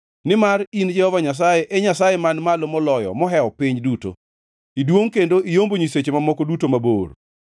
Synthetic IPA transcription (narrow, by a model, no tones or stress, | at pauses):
nɪmarind͡ʒɛhɔvaɲas̬ajeʔɛɲasajemanmalomɔlɔjɔ̰mɔɦɛɔpɪɲduto̰ | idwoŋkendoʔijomboɲiset͡ʃemamɔkɔdutomabo̰ːr